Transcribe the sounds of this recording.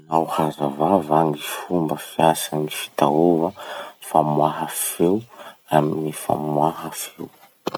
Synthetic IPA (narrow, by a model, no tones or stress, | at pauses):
nawhazavavaŋifumbəfiasənifi̥t̪aovəfamwaɦəfewaminifa̰mwaɦəfew